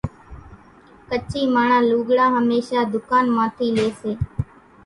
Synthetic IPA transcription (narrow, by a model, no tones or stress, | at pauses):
kət͡ʃiːmaːɳãːluːɡɽaːɦəmeːʃaːd̪ʊkaːnmãːt̪ʰiːleːseː